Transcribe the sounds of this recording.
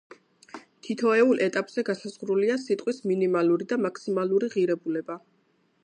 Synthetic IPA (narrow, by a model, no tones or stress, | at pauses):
t̪ʰit̪ʰɔɛulˠʔɛt̪ʼapʼz̥ɛɡasaz̥ʁɾuliasit̪ʼqʼwisminimaluɾid̪amakʰsimalˠuɾiʁiɾɛbulɛba